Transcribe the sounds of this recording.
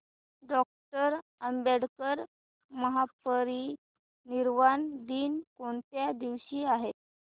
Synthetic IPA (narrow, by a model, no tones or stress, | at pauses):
ɖɔk̚ʈəɾəmbeɽkəɾ | məɦapəɾiː | niɾʋand̪iːnkoɳt̪jad̪iʋɕiːaɦe